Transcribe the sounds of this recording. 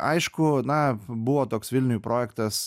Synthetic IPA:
ʔɐ̰ɪʃkʊnɐbʊʋoːt̪oːksʋʲɪlʲnʲʊjuːpɾʔoːjɛkt̪ɐs

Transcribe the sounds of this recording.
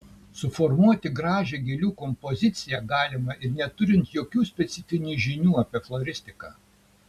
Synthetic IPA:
sʊfɔɾmuɔt̪ʲɪɡɾɑːʒʲeɡʲelʲuːkɔmpɔzʲɪt̪sʲɪjɛɡɑːlʲɪmɐʔɪɾnʲɛt̪ʊɾʲɪnt̪joːkʲuːsʲpʲɛt̪sʲɪfʲɪnʲuːʒʲɪnʲuːɐpʲiɛflˠɔɾʲɪsʲt̪ʲɪkɑ̰ː

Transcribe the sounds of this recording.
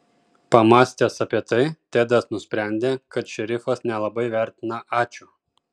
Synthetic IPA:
pɐmɑːsʲt̪ʲeːsɐpʲiɛt̪ɐɪt̪ʲeːd̪ɐsnʊsʲpʲɾʲæˑnʲd̪ʲeːkɐt̪ʃʲɛɾʲɪfɐsnʲɛlˠɐbɐɪʋʲæˑɾʲt̪ʲɪnɐʔɑːt͡ʃʲu

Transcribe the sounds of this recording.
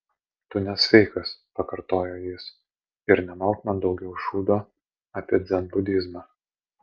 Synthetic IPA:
t̪ʊnʲɛsʲʋʲɛɪkɐspɐkɐɾt̪oːjoːjɪs | ɪɾnʲɛmɐlˠk̪mɐd̪ɒʊɡʲɛʊʃuːd̪oː | aːpʲiɛd̪zʲɛnbʊd̪ʲɪzmɑː

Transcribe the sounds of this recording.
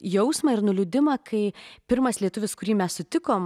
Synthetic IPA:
jɛʊsmɐɪɾnʊlʲʊd̪ʲɪmɐkɐɪpʲɪɾmɐslʲiɛt̪ʊʋʲɪskʊɾʲiːmʲɛssʊt̪ʲɪkoːm

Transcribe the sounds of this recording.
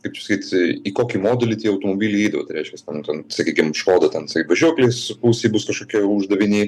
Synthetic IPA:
kɐɪpɐsɐ̥kʲiːt̪ikoːkʲiːmoːd̪ʲɛlʲɪt̪ʲiɛɐʊt̪omoːbʲiːlʲɛɪɛɪd̪ɐʋɐːt̪ɐɪɾʲɛɪʃʲkʲɛst̪ʲɛnt̪ʲɛnsɐkʲiːkʲɪmʃkoːd̪ɐt̪ʲɛnsɐkʲiːt̪bɐʒʲuːkʲlʲeːspuːsʲeːbʊskɐʃkoːkʲiɛʊʒd̪ɐʋʲɪnʲiː

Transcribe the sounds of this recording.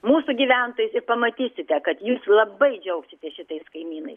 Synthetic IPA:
muːsuɡʲiʋʲænt̪oːjʊsɪɾpɐmɐt̪ʲiːsʲɪt̪ʲɛkɐt̪juːslˠɐbɐɪd͡ʒʲɛʊksʲɪt̪ʲɛʃʲɪt̪ɐɪskɐɪmʲiːnɐɪs

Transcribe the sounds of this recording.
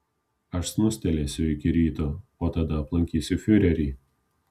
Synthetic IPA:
ɐʃsnʊsʲt̪ʲɛlʲeːsʲʊɪkʲɪɾʲiːt̪oːoːt̪ɐd̪ɐɐplˠɐŋʲkʲiːsʲʊfʲʊɾʲɛɾʲiː

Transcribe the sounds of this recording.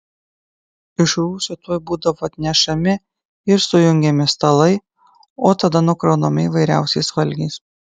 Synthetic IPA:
ɪʃɾuːsʲʊt̪oːjbuːd̪ɐʋoːɐt̪ʲnʲɛʃɐmʲɪ | ɪɾsʊjʊŋʲɡʲɛmʲɪst̪ɐlˠɐɪ | oːt̪ɐd̪ɐnʊkɾɐːnomʲɪiʋɐɪɾʲæ̰ˑʊsʲɛɪsʋɐlʲɡʲeɪs

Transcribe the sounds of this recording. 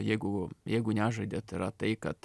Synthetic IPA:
jɛɪɡʊjɛɪɡʊnʲæʒɐɪd̪ʲet̪iɾɐt̪ɐɪkɐt̪

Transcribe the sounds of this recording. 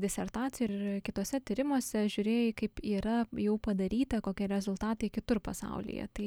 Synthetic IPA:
d̪ʲɪsʲɛrt̪ɑːt̪sʲɪjɪkʲɪt̪oːsʲɛt̪ʲiɾʲɪmoɔsʲɛʒʲuːɾʲeːjɪkɐɪpiːɾɐjɛʊpɐd̪ɐɾʲiːt̪ɐkoːkʲiɛɾʲɛzʊlˠt̪ɑːt̪ɐɪkʲɪt̪ʊrpɐsɑ̰ʊlʲɪ̰jɛ̰t̪ɐɪ

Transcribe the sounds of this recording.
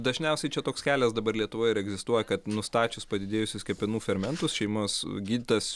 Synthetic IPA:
d̪ɐʒʲnʲɛʊsʲɛɪt͡ʃʲɛt̪oːkskʲæːlʲɛsd̪ɐbɐɾlʲiɛt̪ʊʋoːjɪɾɛɡzʲɪst̪uɔjɛkɐt̪nʊst̪ɑːt͡ʃʲʊspɐd̪ʲɪd̪ʲeːjʊsʲʊskʲɛpʲɛnuːfʲɛɾmʲɛnt̪ʊsʃʲɛɪmoːsɡʲiːd̪ʲɪt̪ɐs

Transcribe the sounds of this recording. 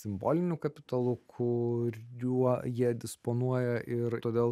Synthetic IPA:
sʲɪmbo̰ːlʲɪnʲʊkɐpʲɪt̪ɐlˠʊkʰʊɾʲjujiɛd̪ʲɪspoːnuɔjɛʔɪɾt̪oːd̪ʲeːlˠ

